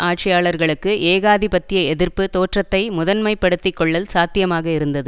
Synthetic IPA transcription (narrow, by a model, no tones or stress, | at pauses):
ʔaːʈ̚t͡ʃɐjaːɭɐɾɣɐɭɯkːɯʔeːɣaːðipɐt̪ːɪjɐɛðɪɾpɯt̪oːʈrɐt̪ːɐɪmʊðɐnmɐɪpːɐɽɯt̪ːɪkːɔɭːɐlsaːt̪ɪjɐmaːɣɐɪɾɯnd̪ɐðɯ